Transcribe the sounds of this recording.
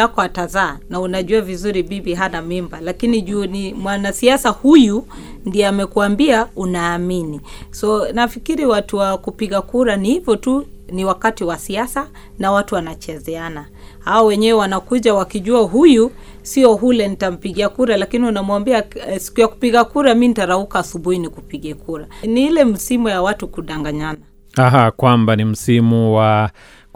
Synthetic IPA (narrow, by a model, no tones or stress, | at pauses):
akɔatazaːnaunaʄuavizuɾiɓiɓiɦanamimbalakiniʄunimwanasiasahuju | ndiɛamɛkuambiaunaːminisɔnafikiɾiwatuwakupiɠakuɾanihivɔtuniwakatiwasiasa | nawatuwanat͡ʃɛzɛana | haɔwɛɲɛwɛwanakuʄawakiʄuaɦuju | siɔɦulɛnitam̩piɠiakuɾalakiniunamwambiasi̥kujaku̥piɠakuɾaminitaɾaukaːsuɓuhinikupiɠɛkuɾaniilɛm̩simujawatukuɗaŋɡaɲana | aɦakwambanim̩simuwa